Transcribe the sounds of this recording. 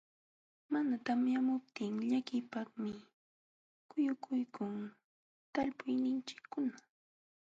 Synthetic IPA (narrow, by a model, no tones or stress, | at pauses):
manat̪amjamʊp̚t̪ɪŋʎakɪpɑχmɪ | kʊjʊkʰʊjkʰʊŋ | t̪aʎpʊjnɪnt͡ʃɪ̥kːʊna